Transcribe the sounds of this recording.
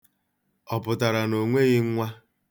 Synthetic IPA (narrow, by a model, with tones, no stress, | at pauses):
ɔ˨pʊ˨ta˨ɾa˨no˨ŋʷe˦ɣɪ˦ŋ̩˦ŋʷa˦